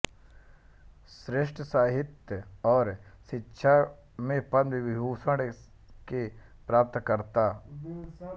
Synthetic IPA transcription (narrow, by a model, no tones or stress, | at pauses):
sɾeʃʈʰəsaːɦɪt̪jəɔːɾʃɪtːʃʰa | mẽpɐnʋɪʋɪbuːsəɽ | kepɾaːp̚t̪kəɾt̪aː